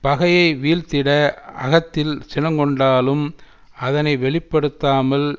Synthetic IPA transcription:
pɐɣɐjɐɪʋiːlt̪ɪɽɐɐ̰ɣɐt̪ːɪlsɪnɐŋkɔɳɖaːlɯm | ɐðɐnɐɪʋɛɭɪpːɐɽɯt̪ːaːmɐl

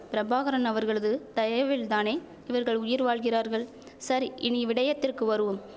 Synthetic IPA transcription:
pɪɾɐbaːɣɐɾɐnɐʋɐɾɣɐɭɯðɯt̪ɐjɐʋɪlt̪aːneː | ɪʋɐɾɣɐɭʊjɪɾʋaːɭɣɪɾaːɾɣɐɭ | sɐɾiʔɪniʋɪɽɐjɐt̪ːɪrkɯʋɐɾɯʋɯm

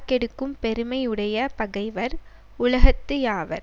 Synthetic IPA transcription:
kɛɽɯkːɯmpɛɾɯmɐɪɯɽɐjɐpɐɣɐɪʋɐɾ | ʊlɐɣɐt̪ːɯjaːʋɐ̰ɾ

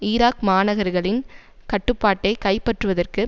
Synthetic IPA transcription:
ɪːɾaːkmaːnɐɣɐɾɣɐɭɪnkɐʈːɯpːaːʈːɐɪkɐɪpːɐʈrɯʋɐðɐrkɯ

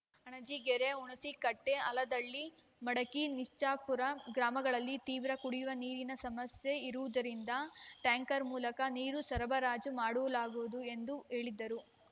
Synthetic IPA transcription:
ɐɳɐd͡ʒiɡɛɾeuɳɐsikɐʈːeɐlɐd̪ɐɭːi | mɐɽɐkiniʂt͡ʃaːpuɾɐɡɾaːmɐɡɐɭɐlːit̪iːʋɾɐkuɽijuʋɐniːɾinɐsɐmɐsje̞iɾuʋud̪ɐɾind̪ɐʈaːŋkɐɾmuːlɐkɐniːɾusɐɾɐbɐɾaːd͡ʒumaːɽuʋɐlaːɡuʋud̪ue̞nd̪uɦe̞ːɭid̪ːɐɾu

